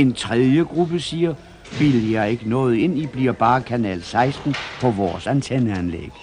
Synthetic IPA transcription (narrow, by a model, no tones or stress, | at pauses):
e̝nt͡sʰʁɛðˠjəɡ̥ʁub̥əsiːɐ | ʋiljɑ̈ɪe̝ɡ̥ənɔ̽ːð̞̩ˠe̝n̰ib̥liɐ̰b̥ɑ̈ːkʰænɛ̰ːlsɑ̈ɪsd̥n̩pʰɒ̽ʋɒːsænt͡sʰenəænlḛɡ̥ə